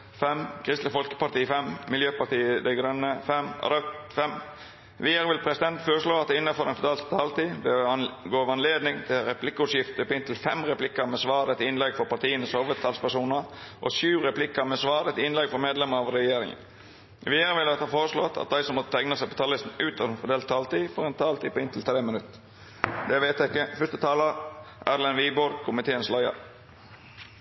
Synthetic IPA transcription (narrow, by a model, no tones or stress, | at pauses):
fɛmkʰɾɪst̪lɪfɔlkə̥pɑt̪iːəfɛmmɪljøːpɑɾt̪iːəd̪ɛɪɡɾœnːəfɛmɔ̰d̪ɛfɛm | ʋɪəɾʋɪlpʰɾɛsɪd̪ɛnt̪foːɾəsloːɑt̪̚d̪ɛɪnːəfɔɾdɛnfɔt̪ɑːlt̪t̪ʰɑːlt̪iːd̪ɛɡoːʋɑnleːd̪nɪŋt̪ʰɪlɾɛpʰlɪkːəʉsjɪft̪ɔpːɪnt̪ʰlfɛmɾɛplɪkːəɾmɛsʋɑːɾət̪ɪnlɛɡfɔɾpɑt̪ʰiːənəsoːʋət̪ʰɑːlspæɾʂuːnəɾʔɔ̰sʉːɾɛpʰlɪkːəɾmɛsʋɑːɾɛt̪ɪnlɛɡfɔɾmeːd̪lɛməɑʋɾɛjeːɾɪ̰ŋə̰n | ʋɪːəɾʋɪləɑt̪hɑːfoːɾəslɔt̪ʰɑ̰t̪̚d̪æɪsɔmːɔt̪ːət̪ʰɛŋnəsæɪpɔt̪ʰɑːlɪsn̩ʉːt̪ɑfɔd̪eːlt̪ʰːɑːlt̪iːfɔɾɛnt̪ʰɑːlt̪iːpɔɪnt̪l̩t̪ʰɾeːmənʉt̪ | d̪ɛʋeɪt̪æɪkːəfʏst̪ət̪ʰɑːləʔæɾlɛnʋiːboːɾkʰʊmɪt̪ʰeːənslɑɪɑ̰